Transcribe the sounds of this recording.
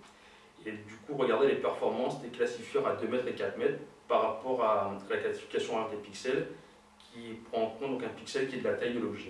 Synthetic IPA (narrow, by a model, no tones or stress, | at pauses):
ed̪ykuʁəɡaʁd̪elepɛʁfɔʁmɑ̃sd̪eklasifjœʁad̪ømɛt̪χekat̪mɛt̪χpaʁːapɔʁaalaklasifi̥kʲasjɔ̃aʁd̪epiksɛl | kʲʰipχɑ̃ːkɔ̃t̪̚d̪ɔ̃kɛ̃piksɛlkʲiɛd̪əlat̪ɛknɔlɔʒi